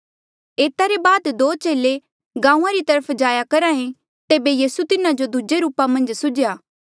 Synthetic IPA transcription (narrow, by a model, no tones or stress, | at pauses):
eːt̪aɾebaːd̪d̪oːt͡ʃeːle | ɡãːũãɾit̪ɐɾəpʰd͡ʒaːjakɐɾãːẽ | t̪eːbejiːsut̪ɪnad͡ʒod̪ʱʊd͡ʒeɾuːpamɐ̃nd͡ʒsʊd͡ʒjaː